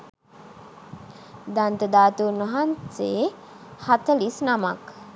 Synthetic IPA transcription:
d̪ant̪əd̪aːt̪unʋəɦanse | hat̪əlisnamak

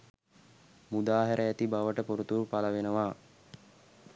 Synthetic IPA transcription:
mud̪aːɦəɾʔəæt̪ibaʋəʈəpoɾut̪uɾpaləʋenəʋaː

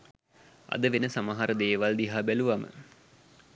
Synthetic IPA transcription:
ɐ̰d̪əʋenəsamaɦaɾəd̪eːʋald̪iɦaːbæluʋamə̰

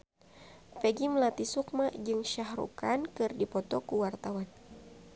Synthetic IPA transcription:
pɛɡimlat̪isuk̚mad͡ʒɨŋʃaɦɾṵkankɨrdipɔt̪ɔkuwart̪awan

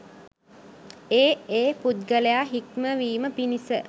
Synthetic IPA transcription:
eːeːpud̪̚ɡələjaːɦikməʋiːməpinisə

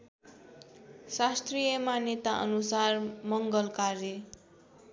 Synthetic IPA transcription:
sast̪rijʌmanet̪aʔʌ̰nusarmʌŋɡʌlkaɾe

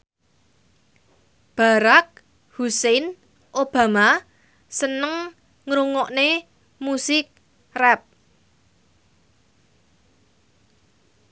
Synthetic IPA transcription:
b̥a̤ɾak̚ | husen | ʔob̥a̤ma | sənəŋ | ŋɾuŋɔʔne | musɪk̚ | rɛp̚

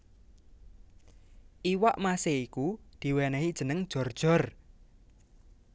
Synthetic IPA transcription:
ʔiwaʔmaseikud̪̥i̤wɛnɛɦid̥ʒ̥ə̤nəŋd̥ʒ̥ɔ̤rd̥ʒ̥ɔ̤r

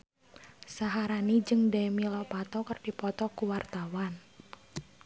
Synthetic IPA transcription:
saɦaɾanid͡ʒɨŋdɛmilɔpat̪ɔkərd̥ipɔt̪ɔkuwart̪awan

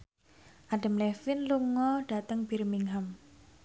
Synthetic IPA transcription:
ʔaɖa̤mlɛfɪnluŋɔɖ̥a̤t̪əŋb̥irmiŋɦam

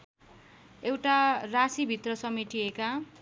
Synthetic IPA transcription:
ewʈarasibʱit̪rʌsʌmiʈieka

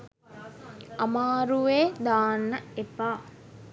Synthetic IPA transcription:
ɐmaːɾuʋeːd̪aːnːɐepaː

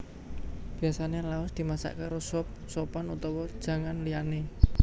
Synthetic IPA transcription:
b̥i̤asanelaʊsd̪̥i̤masa̰ʔkeɾɔsɔp̚sɔpanut̪ɔwɔd̥ʒ̥ä̤ŋanliane

